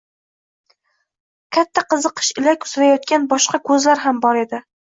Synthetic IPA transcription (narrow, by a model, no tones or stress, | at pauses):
kʲʰat̪ʰːaqɨzɨqʰɨ̥ʃɪlakʲʊ̥sɾajɒt̪̚kʲanbɒʃqɑkʰɵzlaɾɦambɒɾe̞d̪ɪ